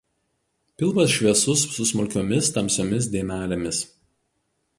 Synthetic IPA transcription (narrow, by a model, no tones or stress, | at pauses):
pʲɪlˠmɐsʃʲʋʲiɛsʊsːʊsmʊlʲkʲoːmʲɪst̪ɐmʲsʲoːmʲɪs̬d̪ʲeːmʲæːlʲemʲɪs